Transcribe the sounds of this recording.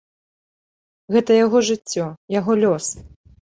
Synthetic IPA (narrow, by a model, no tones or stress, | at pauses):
ɣɛt̪ɐjaɣɔʐɨt͡sʲːɔjaɣɔlʲɔs